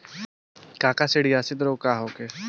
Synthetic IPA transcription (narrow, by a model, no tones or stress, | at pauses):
kaːkaseɽijasɪd̪ɾoːkaːɦoːke